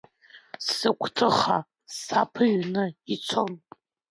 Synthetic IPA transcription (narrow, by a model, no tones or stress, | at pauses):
sɨkʷʰʼtʰɨχa | ssapʰɨʒnɨit͡sʷʰon